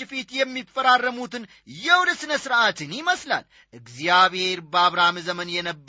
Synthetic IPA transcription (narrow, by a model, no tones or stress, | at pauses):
fit̪jɛmːifːəɾarːəmut̪ɨn | jɛwd̪əsɨnəsɨɾʔat̪ʰɨnɪməsla̰l | ʔɨɡzijaβheɾbaβɾamɨzəmənjɛnəbː